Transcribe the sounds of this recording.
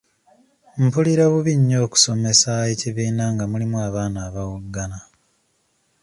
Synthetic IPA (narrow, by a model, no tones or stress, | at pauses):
m̩puliɾaβuβiɲːo̞ːku̥so̞me̞saeciβiːnaŋɡamulimuaβaːnaːβawuɡːana